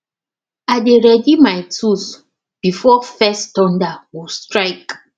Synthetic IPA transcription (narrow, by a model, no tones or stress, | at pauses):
ajdeɹɛdimajtʰus | b̥ifɔfɛstɔ̃ndawustɹaɪk